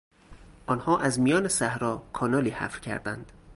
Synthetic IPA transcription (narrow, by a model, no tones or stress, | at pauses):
ʔɒnhɒːʔæzmijɒːnesæhɾɒːkʰɒːnɒːliːhæ̰fɾ̥cʰæ̰ɾd̪ænd̪̥